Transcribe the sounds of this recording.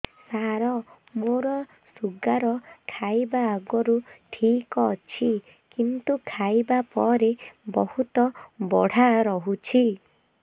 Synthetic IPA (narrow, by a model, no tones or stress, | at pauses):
saɾɔ | moɾɔ | suɡaɾɔkʰajbaːɡɔɾuʈʰikɔt͡ʃʰi | kint̪ukʰajbapɔɾebɔhut̪ɔbɔɽ̤aɾɔɦut͡ʃʰi